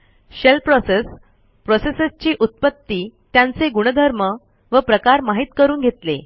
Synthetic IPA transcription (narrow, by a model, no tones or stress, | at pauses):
ɕelpɾɔses | pɾɔsesəst͡ɕiːʔut̪̚pət̪ːiːt̪jãnt͡seɡuɽ̃əd̪ʱəɾmə | ʋəpɾəkaɾmaɦit̪kəɾuːnɡʱet̪lḛ